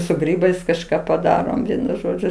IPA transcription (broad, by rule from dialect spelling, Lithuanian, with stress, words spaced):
sʊ ˈɡrʲiːbɐɪs kɐʃˈkɑː pɐˈdɑːroːm ˈʋʲiɛnʊ ˈʒoːd͡ʒʲʊ